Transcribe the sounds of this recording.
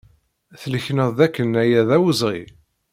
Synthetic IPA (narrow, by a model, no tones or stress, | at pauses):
θələçnəðˤðækːənːæjæðæwəzˤʁḭ